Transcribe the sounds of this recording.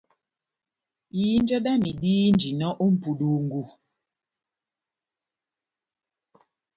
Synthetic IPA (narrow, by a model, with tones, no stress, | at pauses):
ji˨˦n˦d͡ʒɛ˦da˦mi˨diː˦nd͡ʒi˨nɔ˦ʔu˦m̩˨pu˨ɗu˨ŋ˨ɡu˨